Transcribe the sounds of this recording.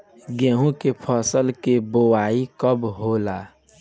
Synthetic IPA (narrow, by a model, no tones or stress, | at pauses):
ɡẽːɦũkepʰɔsəlkebowaːikəbɦoːlaː